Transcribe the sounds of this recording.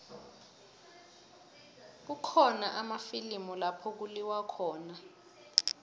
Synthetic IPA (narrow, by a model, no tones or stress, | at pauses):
k̬ukʰɔnaʔamafilimɔlapʰɔk̬uliwakʰɔːna